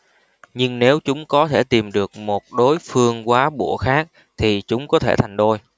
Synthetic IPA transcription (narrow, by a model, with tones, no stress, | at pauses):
ɲɨ˧ŋne˨˦wt͡ɕʊ˨˦ŋ͡mkɔ˨˦t̪ʰe˧˩t̪i˨˩mɗɨ˨˩ək̚mo˨˩t̚ɗo˨˦jfɨ˧əŋkwaː˨˦ɓṵ˧˩əxaː˦˥k̚ | t̪ʰi˨˩t͡ɕʊ˨˦ŋ͡mkɔ˨˦t̪ʰḛ˧˩t̪ʰa˨˩jŋ̟ɗ̪o˧j